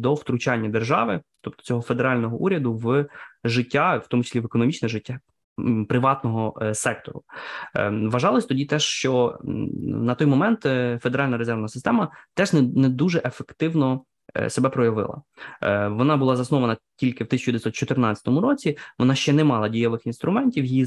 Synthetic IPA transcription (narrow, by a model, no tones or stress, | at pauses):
d̪ɔwt̪ɾʊt͡ʃɑnʲːɐd̪erʒɑʋɪt̪ɔp̚t̪ɔ̥t͡sʲɔɦɔfe̞d̪eɾɑlʲnɔɦɔʔuɾʲɐd̪ʊʋʒɪtʲːaft̪ɔmʊt͡ʃi̥slʲiʋekɔnɔmʲit͡ʃnɛʒɪtʲːa | pɾɪʋɑt̪nɔɦɔsɛk̚t̪ɔɾʊ | ʋɐʒɑlˠɔsʲt̪ɔdʲit̪ɛʂt͡ʃɔ | nɐt̪ɔjmɔmɛnt̪fe̞d̪eɾɑlʲnɐɾezɛɾʋnɐsɪ̥st̪ɛmɐt̪ɛʒnɛd̪uʒɛʔefekt̪ɪwnɔ̰ | sebɛpɾɔjɐʋɪ̰lˠɐ̰ | ʋɔnɑbʊlˠɑzɐsnɔʋɐnɐtʲilʲkɪwt̪ɪsʲɐt͡ʃuʋd̪eɪɪsʲɔt̪t͡ʃɔt̪ɪrnɑt͡sʲɐ̥t̪ɔmʊɾɔt͡sʲiʋɔnɑʃt͡ʃɛnɛmɑlˠɐdʲijɐʋɪxinst̪ɾʊmɛnʲtʲiwji